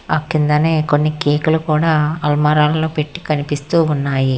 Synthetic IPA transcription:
ɐkːind̪ɐne̞ːko̞nːikeːkulukuːɽaːɐlmaːɾaːlɐloːpe̞ʈːi̥kɐnipist̪uːunːaːji

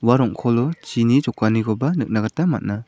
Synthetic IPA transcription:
waɾɔŋkʰɔlɔt͡ʃinid͡ʒɔkːaniɡɔbanɯk̚naɡatama̰t̚na

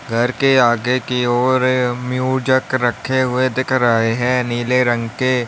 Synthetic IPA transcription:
ɡʱɐɾkeaːɡekiɔːɾmjuːd͡ʒəkɾəkʰːeɦʊed̪ɪkʰɾɐɦeɦɛ̃ːniːleɾə̃ŋɡke

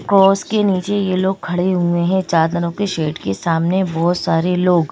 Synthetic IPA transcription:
kɔːskeniːt͡ʃejeloːɡ̚kʰɐɽeɦuẽɦɛ̃t͡ʃaːɾd̪ɐnõkeʃeːʈkesaːmnebɔːt̪saːɾeloːɡ

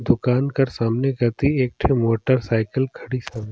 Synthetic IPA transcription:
d̪ʊkaːnkɐɾsaːmnekɐt̪ieːk̚ʈʰemoːʈəɾsaːɪkəlkʰɐɽisaːme

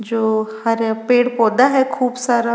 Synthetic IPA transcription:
d͡ʒoːhɐɾpeːɽpɔːd̪aɦɛkʰuːbsaːɾa

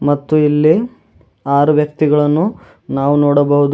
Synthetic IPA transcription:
mɐt̪ːuilːi | aːɾɐʋjɐk̚t̪iɡɐɭɐnːu | naːʋunoːɽɐbɐɦud̪u

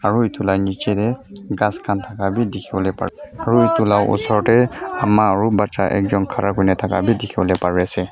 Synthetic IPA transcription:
aɹuitʊlajnit͡ʃɛtɛɡãskʰantʰakabidɛkʰibɔlɛpa̰aɹuitulawʔʊ̰sɔɹɔtɛamaːɹubatːaʔɛ̰kzɔnkʰaɹakɔjnɛtʰaka̰bidɛkʰibɔlɛpaɹiasɛ

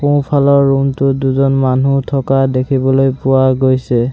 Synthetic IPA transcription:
puw̃pʰalɔɹːumtʊduzɔnmanutʰɔkadekʰibɔlojpʊaɡojsɛ

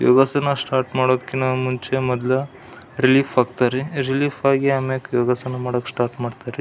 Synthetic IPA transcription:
jo̰ːɡasɐnːɐsʈaːɾʈmaːɽoːd̪ɐkːenaːmuɲt͡ʃemɔd̪lɐ | ɾiliːfʰaːɡt̪aːɾeɾiliːfaːɡiɐmekjoːɡɐsɐnɐmaːɽokːsʈaːɾʈmaːɖt̪aːɾe

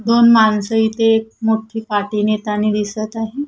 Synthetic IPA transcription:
d̪onmansəit̪eːk̚moʈʰiːpaʈiːnet̪aned̪isət̪aɦe

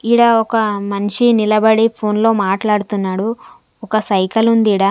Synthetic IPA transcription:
iɽɐɔkɐmɐniʂinilɐbɐɽipʰoːnlo̞ːmaːʈlaːɽut̪unːaːɽu | ɔkɐsɐjkɐlund̪iːɽɐ

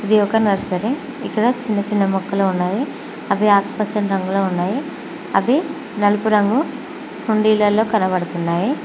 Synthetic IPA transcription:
id̪iɔkɐnɐɾsɐɾi | ikːɐɽɐt͡ʃinːɐt͡ʃinːɐmɔkːɐloːunːaːji | ɐbiaːkpɐt͡ʃːɐnɾɐŋɡuloːunːaːji | ɐ̰bi | nɐlupuɾɐŋɡu | huɳɖiːlɐlːo̞ːkɐnɐbɐɽut̪unːaːji

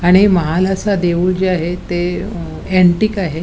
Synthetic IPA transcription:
aɽ̃iməɦalasad̪eʋuːld͡ʑeaɦet̪e | ɛɳʈikaɦe

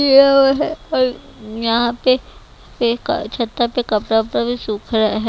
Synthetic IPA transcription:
eaɦɛɔːɾ | jɐɦãpe | pekt͡ʃʰɐt̪ːapekɐpɾapɾabʱisuːkʰɾaɦɛ

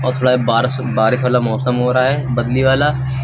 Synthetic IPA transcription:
ɔːɾt̪ʰoːɽabaːɾ | baːɾɪʃʋaːlamɔːsəmɦoːɾaaɦɛːbɐd̪liʋaːla

